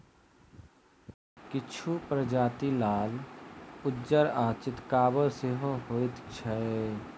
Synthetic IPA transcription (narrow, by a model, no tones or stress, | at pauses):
kɪt͡ʃʰupɾəd͡ʒaːt̪ilaːl | ʊdːd͡ʒəɾaːt͡ʃɪt̪kaːbəlseɦõɦoːit̪t͡ʃʰɛe